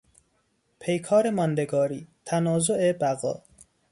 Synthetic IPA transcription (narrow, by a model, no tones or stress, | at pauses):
pʰejkʰɒːɾemɒnd̪eɡɒːɾiːt̪ʰænɒːzoʔebæɣɒ̰ː